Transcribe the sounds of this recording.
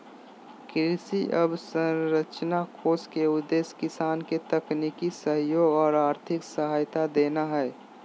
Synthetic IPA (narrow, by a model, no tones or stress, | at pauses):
kɾɪsiʔəbsə̃nɾət͡ʃnakʰoːskeʊd̪eːskɪsaːnket̪əknikisəɦjoːɡɔːɾaːɾt̪ʰɪksəɦaːjt̪ad̪eːnaɦɛɛ